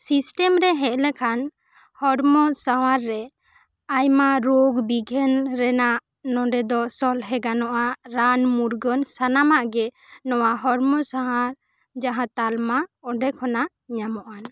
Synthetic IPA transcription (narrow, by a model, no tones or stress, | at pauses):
sisʈɛmɾɛɦɛʔ̚lɛkʰan | hɔɽmɔsawaɾːɛ | ajmaɾoɡbiɡʱɛnɾɛnaʔ | nɔ̃ɖɛd̪ɔsɔlɦɛɡanɔʔaɾanmuɾɡɔnsanamaʔɡɛnɔwaɦɔɾmɔsaɦaɾ | d͡ʒaɦãt̪almaɔɖɛkʰɔna | ɲamɔʔan